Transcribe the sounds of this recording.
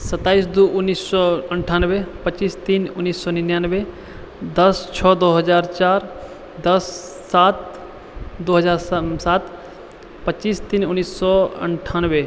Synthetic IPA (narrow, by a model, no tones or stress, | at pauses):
sət̪ːaːisd̪uʊnːisɔəɳʈʰaːnʋepət͡ʃiːst̪inʊnːisːɔninjanʋe | d̪əst͡ʃʰɔːd̪oɦəd͡ʒaːɾt͡ʃaːɾ | d̪əsː | at̪̚ | d̪oɦəzaːɾsat̪ | pət͡ʃiːst̪inʊnːisːɔə̰ɳʈʰanʋe